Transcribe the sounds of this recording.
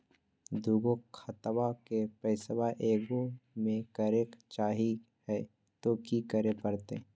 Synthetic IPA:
d̪ʱuːɡokʰət̪wakepɛɪsəwaʔeːɡomẽkəɾeːkt͡ʃaːɦi | hɛ | t̪okikəɾepəɾt̪ḛː

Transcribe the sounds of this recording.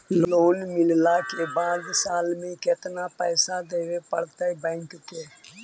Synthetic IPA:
loːnmɪllakebaːd̪saːlmẽket̪napəːsad̪eːʋepəɽt̪əbɛ̃ːŋkk̪eː

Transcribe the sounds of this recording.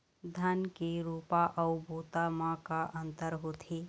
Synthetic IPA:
d̪ʱənkiɾupaʔəʊbot̪amãkaʔənt̪əɾɦot̪ʰi

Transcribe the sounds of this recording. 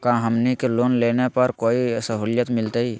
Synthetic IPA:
kãːɦəmnikeloːnleːnepəɾkoːisəɦoːljət̪mɪlt̪eiː

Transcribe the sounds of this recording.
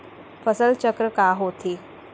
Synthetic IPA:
fəsəlt͡ɕəkɾəkaɦot̪ʰiː

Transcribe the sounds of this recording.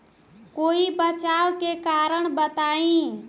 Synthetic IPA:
koibət͡ʃawkekaɾəɳbət̪aĩ

